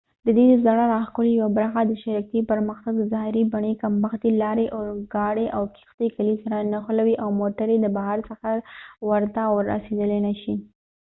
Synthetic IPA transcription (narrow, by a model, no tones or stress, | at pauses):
d̪əd̪ed̪əzaɽaɾɑxkolejawabɾɑxad̪əʃaɾakepəɾməxt̪aɡzɑɪɾibaɳekambaxt̪ilɑɾeʔʊɾɡɑɽeʔawki̥xt̪ekalisaɾanaxʊlawiʔawmoʈaɾed̪əbaɦaɾsəxawaɾt̪awəɾa̰sed̪əlenaʃi